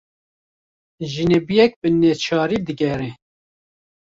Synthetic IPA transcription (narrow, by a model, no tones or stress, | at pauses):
ʒinebijɛk̚bɨneːt͡ʃʰɑːɾiːd̪ɨɡɛɾe